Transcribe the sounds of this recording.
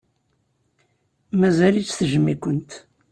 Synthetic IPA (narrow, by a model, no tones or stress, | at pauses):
mæzælit͡sːθəʒəmːikʷənt̪